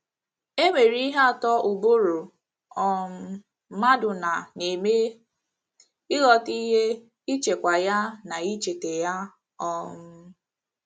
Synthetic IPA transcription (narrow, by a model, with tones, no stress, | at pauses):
e˦ŋʷe˨ɾi˦ɦa˦a˨tɔ˦ʔʊ˨bo˦ɾu˨ | ɔ˦m̩˦ | ma˦dʊ˨na˨ne˨me˦ | ɪ˦ɣɔ˨ti˦ɦe˦ | i˦t͡ʃe˨kʷa˨ja˦na˨i˦t͡ʃe˨te˨ja˦ | ɔ˦m̩˦